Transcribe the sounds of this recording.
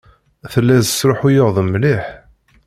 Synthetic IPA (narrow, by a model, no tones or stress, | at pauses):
θəlːæzəsɾoħujəʁðˤəmːliħ